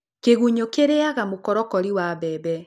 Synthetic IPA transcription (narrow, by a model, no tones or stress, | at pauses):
keɣuɲokeɾeaɣamokɔɾɔkɔɾiwaβɛːbɛ